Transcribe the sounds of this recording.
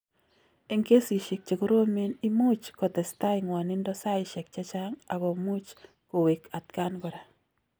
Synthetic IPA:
e˨ŋke˦si˨ʃe˨k̚t͡ʃe˨ɡo˦ɾo˦me˦ni˦mu˦t͡ʃkɔ˨t̪ɛ˨st̪a˦ɪ˨ŋwa˨nɪ˦ndɔ˦sa˦ɪ˦ʃɛ˨k̚t͡ʃa˦t͡ʃa˦ŋa˨ɡɔ˨mu˦t͡ʃ | ko˨we˨kʰa˨t̪ka˦nɡɔ˨ɾa˨

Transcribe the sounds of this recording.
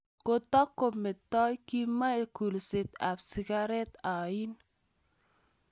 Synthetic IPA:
ko˨t̪a˦kːo˨me˨t̪ːɔ˦jki˦ma˦e˨ku˨lse˨t̪a˨bsi˨ɡa˦ɾe˦t̪a˨i˦n

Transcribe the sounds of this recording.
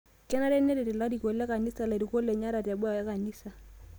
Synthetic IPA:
kɛ˦na˦ɾɛ˦ne˦ɾe˨ti˨la˦ɾi˨ko˨lɛ˦ka˨ni˦sa˨la˨ɾi˨ko˦lːɛ˨ɲa˦ɾa˨ta˨bwa˨ja˦ka˨ni˦sa˨

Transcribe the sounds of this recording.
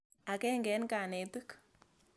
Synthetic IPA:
a˨kɛ˦ŋɡɛ˨˦nka˨nɛ˨tɨ˦k

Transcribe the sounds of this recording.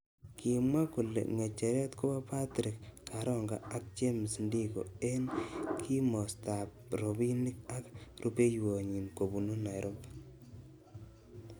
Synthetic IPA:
kʰi˨mwa˦ku˨lḛŋe˨t͡ʃe˨ɾɛ˦tko˦ba˦pa˦tɾɪ˨kkaɾɔ˦ŋɡa̰˨a˦k̚t͡ʃe˦mi˨sndi˦ko̰˨e˦nkʰi˦mɔ˨sta˨p | ɾo˨βi˦ni˦k̚a˦kru˦pe˦jwo˨ɲi˨nko˨bu˨no˦na˨jɾʔo˦mb

